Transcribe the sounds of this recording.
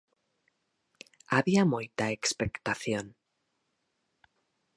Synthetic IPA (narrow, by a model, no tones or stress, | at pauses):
aβiamujt̪aekspekt̪aθjo̞n